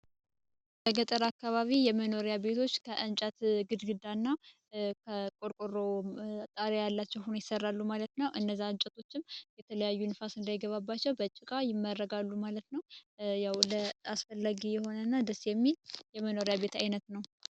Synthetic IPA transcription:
bəɡət̪ʼəɾakːaβaβijɛməno̞ɾjabe̞t̪ʰo̞t͡ʃːkʰəʔɨnt͡ʃʼat̪ɡɨd̪ɡɨd̪anːa | kʰəkʼoɾkʼoɾo̞t̪ʼaɾajalːat͡ʃːɛwhunojɪsərːalːumalət̪nəwʔɨnːəzːaɨnt͡ʃʼət̪ʰo̞t͡ʃːɪmjɛt̪ʰələjajːunɨfasɨnd̪ajɡəβabːat͡ʃːɛwbət͡ʃʼːɪkʼajɪmːəɾːəɡalːumalət̪nəwjawləasfəlːaɡijɛho̞nənːad̪əsːjɛmːiljɛməno̞ɾjaβe̞t̪ajnət̪nəw

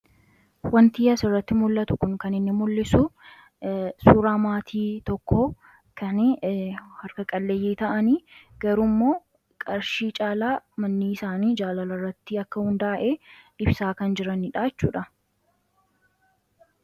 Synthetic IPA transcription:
wɐnt̪iːɐsɪrːɐt̪ːɪmʊlːɐt̪ʊkʊŋkɐnɪnːɪmʊlːɪsʊ | suːɾaːmaːt̪ʰiːt̪ɔkːɔ | kʰɐn | hɐɾkɐkʼɐlːejiːt̪ɐʔɐniːɡ̥ɐɾumːo̞ː | kʼɐɾʃiːt͡ʃʼaːlaːmɐnːiːɪsaːniːd͡ʒaːlɐlɐrːɐt̪ːɪɐkːɐhʊnd̪aːʔeᶑɪbsaːkɐnd͡ʒɪɾɐnɪᶑaːɛt͡ʃːuːᶑɐ

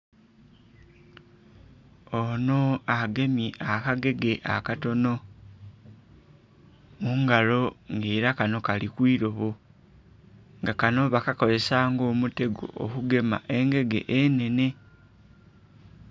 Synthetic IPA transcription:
onoaɡe̞mjeʔakaɡe̞ɡe̞ʔa̰kato̞no̞ | muːŋɡalo̞ŋɡe̞ːɾakano̞kalikwiːɾo̞βo | ŋɡakano̞βakako̞ze̞saːŋɡo̞ːmute̞ɡo̰ʔo̰kuɡe̞ma̰ʔe̞ŋɡe̞ɡe̞̰ʔene̞ne̞

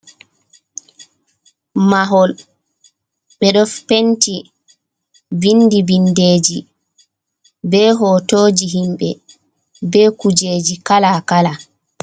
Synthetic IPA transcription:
maɦɔl | ɓɛɗɔfpenti | vindivindeːd͡ʒi | bɛːɦɔːtoːd͡ʒiɦimɓɛ | bɛːkud͡ʒeːd͡ʒikalakala

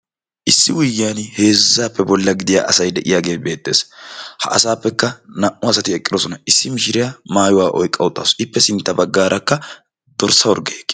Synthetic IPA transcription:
ʔɪsːɪwʊjjːɪːaːnhe̞ːzːaːpːɛbɔlːɐɡɪd̪ɪja̰ːʔɐsɐjd̪ɛʔɪjaːɡe̞ːbe̞ːt̪ʼːe̞̰ːshɐ̰ʔɐ̰saːpːɛkːɐnɐʔːʊɐsɐt̪ɪɛkʼːɪd̪ɔsɔnɐɪsːɪmɪʃɪɾɪjaːmaːjʊwaːʔɔ̰jkʼːɐwʊt̪ʼːa̰sʔɪpːɛsɪnt̪ːɐbɐɡːaːɾʔɐkːɐ | d̪̥ɔɾsːɐwɔɾɡeːkː

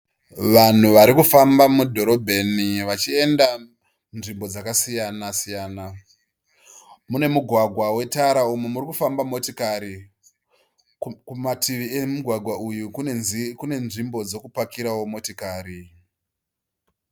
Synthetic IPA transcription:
ʋan̤uʋaɾikufambamudʱo̞ɾo̞bʱe̞niʋat͡ʃie̞nda | nʐimbo̞d͡zakasijanasijaːna | mune̞muɡʱwaɡʱwawe̞taɾaumemuɾikufambamo̞tikaɾi | kumatʰiʋiemuɡʱwaɡʱwaʔujukkune̞nʐimbo̞d͡zo̞kupakiɾawo̞mo̞tikaːɾi

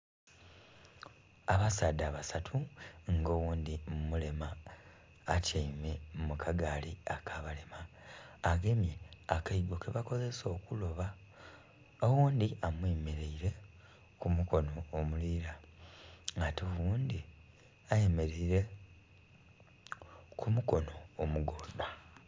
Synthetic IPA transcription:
aβasadaβasatʰuŋɡo̞wuːnd̪immule̞maː | caimemukʰaɡaːliakʰaβale̞maː | ɡemjeakaiɡo̞keβako̞ze̞so̞ːkulo̞βa | owuːnd̪iamweːmeɾeiɾe̞ | kumuko̞no̞ːmuliːɾa | ŋɡatowuːndi | ajeme̞ɾeiɾe̞ | kumuko̞no̞ːmuɡoːdwa

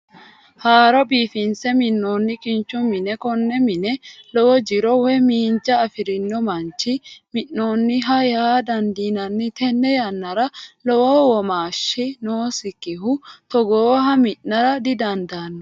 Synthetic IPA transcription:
haːɾɔbiːfɪnsɛmɪnːoːnːɪkʼɪnt͡ʃːʊmɪnɛkɔnːɛmɪnɛlɔʔɔd͡ʒɪɾɔwɛmiːnt͡ʃːɐːfɪɾɪnːɔmɐnt͡ʃːɪmɪnːoːnːɪɦɐjaːd̪ɐnd̪iːnɐnːɪt̪ɛnːɛjɐnːɐɾɐlɔwɔwɔmaːʃːɪnoːsɪkːɪɦʊt̪ɔɡoːɦɐmɪnːɐɾɐd̪ɪd̪ɐnd̪aːnːɔ

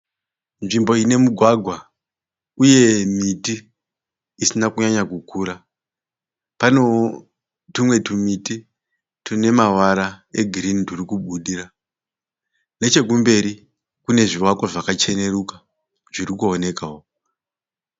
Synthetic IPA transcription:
nʐimbo̞ine̞muɡʱwaɡʱwa | uje̞mitiː | sinakuɲaɲakukuːɾa | pano̞ | tumwe̞tumiti | tune̞mawaɾae̞ɡʱirindurikuɓuɗira | ne̞t͡ʃe̞k̬umbe̞ɾi | kune̞ʐiwakwaʐakat͡ʃe̞ne̞ɾuka | ʐ̥irikuone̞kao

